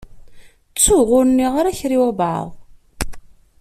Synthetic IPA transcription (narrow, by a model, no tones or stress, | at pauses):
t͡sːuʁʊɾənːiʁaɾæçɾiwæbʕa̰ðˤ